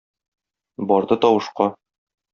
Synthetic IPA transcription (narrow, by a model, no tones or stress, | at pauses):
bɒɾd̪ɤt̪ɒwɤ̆ʃqɑ